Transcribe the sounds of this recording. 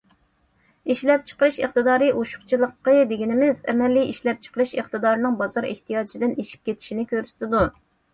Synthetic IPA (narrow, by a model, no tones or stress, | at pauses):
iʃlɛp̚t͡ʃʰə̥qəɾɨʃḛχt̪ɨd̪ɑːɾɨʔoʃʊ̥χt͡ʃʰilˠəqːəd̪eɡʲinɪmɪzɛ̰mɛlːiiʃlɛp̚t͡ʃʰə̥qəɾɨʃeχt̪ɨd̪ɑːɾɨnɨŋbɑzɑɾḛht̪ijɑːd͡ʒʰid̪ɪneʃi̥p̚kʲet̪ʰɪ̥ʃinɪkʲøɾsɪ̥t̪ɪd̪u